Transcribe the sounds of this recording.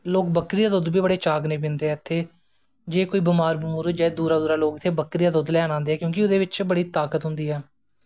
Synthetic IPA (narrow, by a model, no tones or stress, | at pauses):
loːkbəkɾijaːd̪oːd̪biːbəɽeːt͡ʃaːɡnẽːb̬ɪnd̪eːɛːt̪ʰːeː | d͡ʒeːkoːiːbɪmaːɾbʊmuːɾd͡ʒaːd̪uːɾaːd̪uːɾaːloːkɪt̪ʰːeːbəkɾiːaːd̪od̪lɛːnãːnd̪eːɛːkjõːkɪʊd̪eːʋɪt͡ʃbəɽiːt̪aːkət̪ɦʊ̃nd̪iːɦɛː